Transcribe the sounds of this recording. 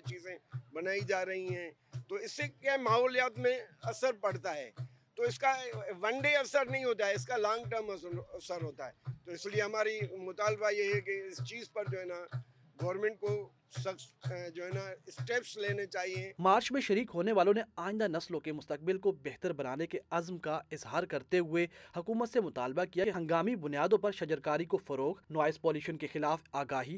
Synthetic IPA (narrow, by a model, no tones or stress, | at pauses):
it͡ʃiːzẽbɐnaːid͡ʒaːɾɐɦiɦɛ̃ː | t̪oɪsːekamaːɦɔːljaːt̪mẽɐsəɾpɐɽ̤t̪aɦɛ̰ː | t̪oɪskaʋɐ̃ɳɖeɐsəɾnɐɦĩɦoːt̪aɦɛɪskalãːŋɡʈəɾmɐɐsəɾɦoːt̪aɦɛːt̪oɪslieɦɐmaːɾimʊt̪aːlbajeɦɛkeɪst͡ʃiːzpɐɾd͡ʒoːɦɛːna | ɡɐːɾmẽɳʈ̚ko | sɐsd͡ʒoːɦɛːnasʈeːpsleːnet͡ʃaːɦiɛ̃maːɾt͡ʃmẽʃɐɾiːkɦoːneʋaːlõneaːɪ̃nd̪anɐslõkemʊst̪ɐk̚bɪlkobɛɦt̪əɾbɐnaːnekeɐzmkaɪzɦaːɾkɐɾt̪eɦʊehɐkuːmət̪semʊt̪aːlbakijaɦɐ̃ŋɡaːmibʊnijaːd̪õpɐɾʃɐd͡ʒəɾkaːɾikofɐɾoːxnɔːɪspɔːliːʃənkexɪlaːfaːɡaːɦiː